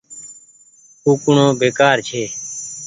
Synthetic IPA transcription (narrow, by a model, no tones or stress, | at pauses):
uːkʊɳõːbeːkaːɾt͡ʃʰeː